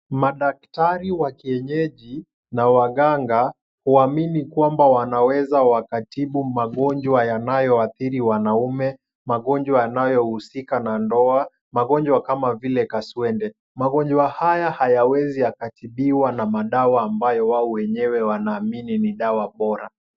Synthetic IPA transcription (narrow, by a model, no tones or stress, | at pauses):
maɗak̚taɾiwakiɛɲɛʄi | nawaɠaŋɡa | huaminikwambawanawɛzawakatiɓumaɠɔɲd͡ʒwajanajɔaθiɾiwanaumɛ | maɠɔɲd͡ʒwajanajɔhusikanandɔa | maɠɔɲd͡ʒwakamavilɛkaswɛndɛ | maɠɔɲd͡ʒwahajahajawɛziakatiɓiwanamaɗawaːmbajɔwaɔwɛɲɛwɛwanaːmininiɗawaɓɔɾa